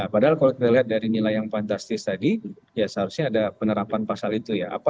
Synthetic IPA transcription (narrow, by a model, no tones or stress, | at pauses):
apadaɦalkalokit̪aliɦat̪̚daɾinilajaŋfant̪ast̪ɪst̪adi | jasəɦaɾusɲaːdapənəɾapanpasalit̪ujaʔa̰pa